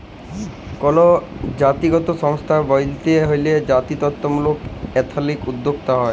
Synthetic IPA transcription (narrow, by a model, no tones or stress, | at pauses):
kɔlod͡ʑat̪iɡɔt̪oʃɔŋst̪ʰabɔjlt̪eɦojled͡ʑat̪it̪ɔt̪ːomulokɛt̪ʰalikud̪ːokt̪aɦɔe